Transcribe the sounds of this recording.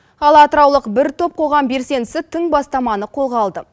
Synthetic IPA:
ɑlˠɑt̪əɾɑwlˠəqbɪɾt̪ʰo̞p̚qʰo̞ʁɑmbe̞ɾse̞nɪsɪt̪ʰɪŋbɑst̪ɑmɑnəqʰo̞lˠʁɑlˠd̪ə

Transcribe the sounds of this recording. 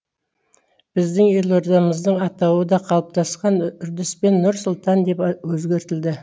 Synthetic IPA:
b̥ɪzd̪ɪŋje̞lˠo̞ɾd̪ɑməzd̪əɴɑt̪ɑwəd̪ɑqʰɑlˠəp̚t̪ʰɑsqɑnʏɾd̪ɪspe̞nːʊɾsʊlˠt̪ɑnd̪e̞pwɵzɡʲe̞ɾt̪ɪld̪ɪ

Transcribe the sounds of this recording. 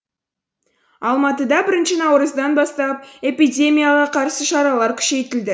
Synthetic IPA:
ɑlˠmɑt̪əd̪ɑbɪɾɪnʃɪnɑwɾəzd̪ɑnbɑst̪ɑp̚e̞pidʲe̞mʲijaʁɑqʰɑɾsəʃɑɾɑlˠɑɾkʲʰʏ̥ʃe̞jt̪ɪld̪ɪ

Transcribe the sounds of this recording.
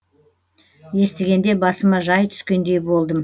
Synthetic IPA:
je̞st̪ɪɡʲe̞nd̪e̞bɑsəmɑʒɑjt̪ʰʏ̥skʲe̞nd̪e̞jbo̞lˠd̪əm

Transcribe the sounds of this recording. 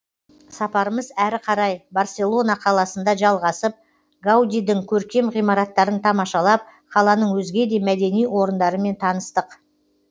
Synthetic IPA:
sɑpɑɾəməzæɾɪqʰɑɾɑjbarsʲe̞lˠo̞nɑqʰɑlˠɑsənd̪ɑʒɑlˠʁɑsəp̚ | ɡawd̪ʲijd̪ɪŋkʲʰɵɾkʲe̞mʁijmɑɾɑt̪ːɑɾənt̪ʰɑmɑʃɑlˠɑp̚ | qʰɑlˠɑnəɴwɵzɡʲe̞d̪e̞mæd̪e̞nijwo̞ɾənd̪ɑɾəme̞nt̪ʰɑnəst̪əq

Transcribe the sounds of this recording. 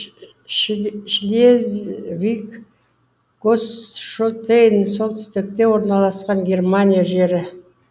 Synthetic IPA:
ʃlezvʲik | ɡosʃolt̪ejnso̞lˠt̪ʰʏ̥st̪ɪk̚t̪e̞wo̞ɾnɑlˠɑsqɑɴɡʲe̞rmanʲijaʒe̞ɾɪ

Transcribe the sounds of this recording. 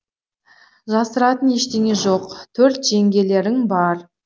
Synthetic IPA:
ʒɑsəɾɑt̪əne̞ʃt̪e̞ŋʲe̞ʒo̞qt̪ʰɵɾt̪ʒ̥e̞ŋɡʲe̞le̞ɾɪŋbɑɾ

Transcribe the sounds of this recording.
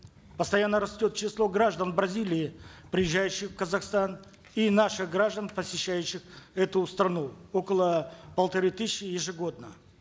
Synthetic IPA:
pəst̪ɐjanːəɾɐsʲtʲo̞t̪̚t͡ɕɪslˠo̞ɡɾaʐd̪ənbɾɐzʲilʲɪːpɾʲɪjɪʑːæjʉɕːɪxfkəzɐxst̪an | inaʂɨxɡɾaʐd̪ənpəsʲɪɕːæjʉɕːɪxɛt̪ʊst̪ɾɐnuokəlˠəpəlˠt̪ɐɾɨt̪ɨːɪjɪʐɨɡo̞d̪̚nə

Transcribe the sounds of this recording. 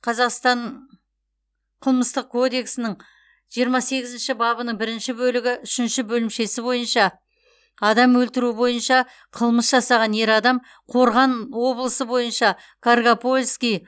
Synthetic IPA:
qʰɑzɑqst̪ɑɴ | qʰəlˠməst̪əq̚kʰo̞d̪e̞ksɪnɪɴ | ʒ̥ijəɾmɑse̞ɡʲɪzɪnʃɪbɑbənəɴbɪɾɪnʃɪbɵlɪɡʲɪʔʏʃɪnʃɪbɵlɪmʃe̞sɪbo̞jənʃɑː | d̪ɑmwɵlt̪ɪɾuɪbo̞jənʃɑ | qʰəlˠməsʒɑsɑʁɑne̞ɾɑd̪ɑm | qʰo̞ɾʁɑnwo̞blˠəsəbo̞jənʃɑ | kʰarɡapolʲskʲij

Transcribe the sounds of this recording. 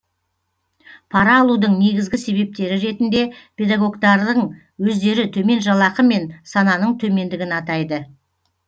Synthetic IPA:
pʰɑɾɑːlˠud̪əɴne̞ɡʲɪzɡʲɪse̞βe̞p̚t̪e̞ɾɪɾe̞t̪ɪnd̪e̞pʰʲe̞d̪aɡo̞ɡt̪ɑɾd̪əɴ | wɵzd̪e̞ɾɪt̪ʰɵme̞nʒɑlˠɑqəme̞nsɑnɑnəɴt̪ʰɵme̞nd̪ɪɡʲɪnɑt̪ɑjd̪ə

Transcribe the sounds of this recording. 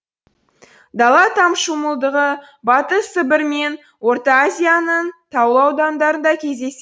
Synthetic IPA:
d̪ɑlˠɑt̪ʰɑmʃuməlˠd̪əʁə | bɑt̪əsəbɪɾme̞n | wo̞rt̪ɑazʲijanənt̪ʰɑwəlˠɑwd̪ɑnd̪ɑɾənd̪ɑkʲʰe̞zd̪e̞s

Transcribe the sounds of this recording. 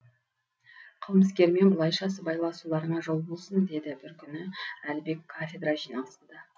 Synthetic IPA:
qʰəlˠməskʲe̞ɾme̞nbʊlˠɑjʃɑsəbɑjlˠɑsulˠɑɾənɑʒo̞lˠbo̞lˠsənd̪e̞d̪ɪbɪɾkʲʰʏnɪælbe̞kʰːafʲed̪rɑʒijnɑlˠsənd̪ɑ

